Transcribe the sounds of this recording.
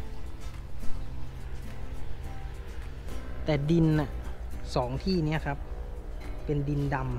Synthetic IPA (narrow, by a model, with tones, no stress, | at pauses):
t̪ɛː˨˩di˧na˨˩sɔː˩˦ŋt̪ʰiː˥˩ni˦˥ɐkʰa˦˥p̚ː | e˧ndi˧nda˧m